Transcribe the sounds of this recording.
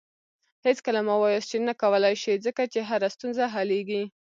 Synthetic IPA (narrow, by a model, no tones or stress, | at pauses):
het͡skəlamawɑjosʈinakawəlajʃizəkat͡ʃeɦaɾast̪unzaɦaleɡi